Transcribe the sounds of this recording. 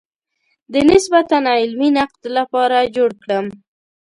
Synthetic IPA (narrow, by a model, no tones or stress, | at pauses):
d̪ənɪsbat̪anɑɪlminaq̚d̪lapɑɾad͡ʒoɽkɽəm